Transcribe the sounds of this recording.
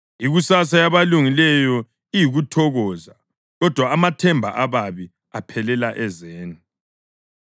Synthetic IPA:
iɣusasajaβaluŋilɛjɔ | ijiɣutʰɔɣɔza | ɣɔd̥ʱwaːmatʰɛmbʱa̰ʔaβaβi | apʰɛlɛlaʔɛzeːni

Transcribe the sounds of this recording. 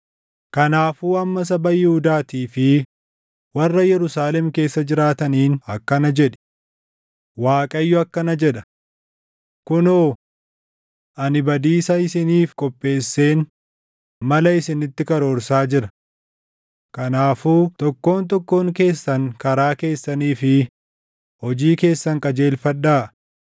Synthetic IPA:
kɐnaːfuːɐmːɐs̬ɐbɐjɪhʊd̪aːt̪iːfɪ | wɐrːɐjɛɾʊsaːlɛmke̞ːsːɐd͡ʒɪɾaːt̪ɐniːnɐkːɐnɐd͡ʒɛᶑɛ̥ | waːkʼɐjːʊɐkːɐnɐd͡ʒɛᶑɐ | kʊnoː | ʔɐnɪbɐd̪iːsɐɪsɪniːfkʼɔpʼːe̞ːsːe̞ːn | mɐlɐɪsɪnɪt̪ːɪkɐɾo̞ːɾsaːd͡ʒɪɾɐ̥ | kɐnaːfuːt̪ɔkːo̞ːnt̪ɔkːo̞ːŋke̞ːsːɐŋkɐɾaːke̞ːsːɐniːfɪ | hɔd͡ʒiːke̞ːsːɐŋkʼɐd͡ʒe̞ːlfɐᶑːaː

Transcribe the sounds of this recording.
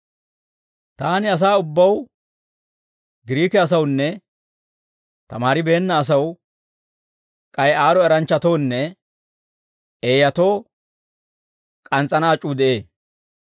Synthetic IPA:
t̪aːnɪɐs̬aːʊbːɐw | ɡɪɾiːkɛɐs̬ɐwnːɛ | t̪ɐmaːɾɪbe̞ːnːɐːs̬ɐw | kʼɐjaːɾɔɛɾɐnt͡ʃːɐt̪o̞ːnːɛ | eːjɐt̪o̞ː | kʼɐnt͡sʼːɐnaːt͡ʃʼuːd̪ɛʔe̞ː

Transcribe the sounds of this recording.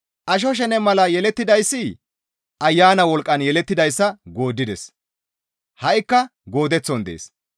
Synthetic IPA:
ʔɐʃ̬ɔʃ̬ɛnɛmɐlɐjɛlɛt̪ːɪd̪ɐjsːɪ | ʔɐjːaːnɐwɔlkʼːɐnjɛlɛt̪ːɪd̪ɐjsːɐɡo̞ːd̪ːɪd̪ɛs | hɐʔɪkːɐɡo̞ːd̪ɛt͡sːɔnd̪ḛːs

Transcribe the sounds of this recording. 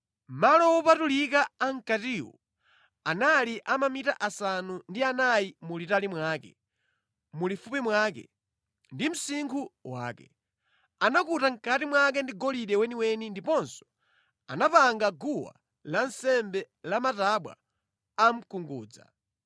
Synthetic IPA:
malɔwɔpatulikaːŋ̩katiːwɔ̰ | analiʔamamitaʔasanundianajimulitalimwaːkɛ | mulifupimwakɛ̰ | ndim̩siŋkʰuwa̰ːkɛ | anakutaŋ̩katimwak̬ɛndiɡɔliɗɛwɛniwɛnindipɔnsɔ̥ | a̰napaŋɡaɡuwa̰ | lansɛmbɛ | lamataɓwa̰ | am̩kuŋɡṵːd͡za̰

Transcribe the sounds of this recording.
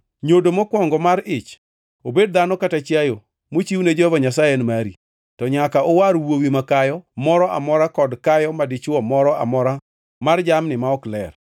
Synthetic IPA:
ɲodomɔkwɔŋɡɔmaɾɪt͡ʃ | obed̚d̪anɔkatat͡ʃjajo | mot͡ʃiwned͡ʒɔvɔɲasajenmaɾi | tɔɲakaowaɾwowimakajɔmɔɾɔʔa̰mɔɾakɔdkajɔmadɪt͡ʃɔmɔɾɔa̰mɔɾa | mard͡ʒamnɪmaɔklɛ̰r

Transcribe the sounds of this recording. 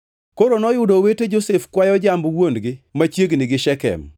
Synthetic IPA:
koɾonɔjʊdoweted͡ʒosefkwajɔd͡ʒambwondɡɪmat͡ʃjeɡnɪɡɪʃɛkɛ̰m

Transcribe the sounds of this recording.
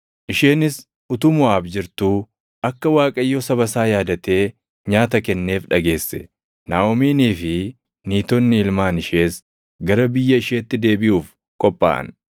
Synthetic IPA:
ʔɪʃe̞ːnɪs | ʔʊt̪ʊmʊaːbd͡ʒɪɾt̪u | ʔɐkːɐwaːkʼɐjːɔsɐβɐsaːjaːd̪ɐt̪e̞ː | ɲaːt̪ɐkɛnːe̞ːfᶑɐɡe̞ːsːɛ | naːɔmiːniːfɪ | niːt̪ɔnːɪɪlmaːnɪʃe̞ːs | ɡɐɾɐbɪjːɐɪʃeːt̪ːɪd̪e̞ːbɪʔuːf | kʼɔpʼːa̰ːʔɐ̰n

